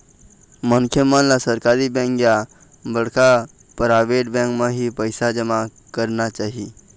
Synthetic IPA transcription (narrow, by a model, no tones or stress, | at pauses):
məŋkʰjəmə̃nlasəɾkaɾibɛ̃ŋkja | bəɽ̤kʰa | pɾajʋeʈ̚bɛ̃ŋkmə̃ɦipəjsad͡ʒəma | kəɾnat͡ʃaɦi